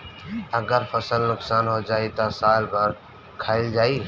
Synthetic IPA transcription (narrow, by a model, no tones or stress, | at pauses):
əɡəɾpʰəsəlnʊksaːnɦod͡ʒaːit̪asaːlbəɾ | kʰaːɪld͡ʒaːi